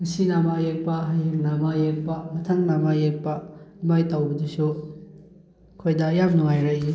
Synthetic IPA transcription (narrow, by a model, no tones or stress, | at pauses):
ŋɐsinamajek̚pɐɦajeŋnamajek̚pɐmɐtʰɐŋnamajek̚pɐmajtawbɐdisu | kʰojdɐjamnuŋajɾakji